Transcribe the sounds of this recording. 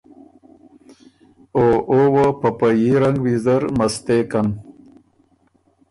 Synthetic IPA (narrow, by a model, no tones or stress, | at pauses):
oowopɐpajiɾaŋɡwizəɾmɐst̪ekan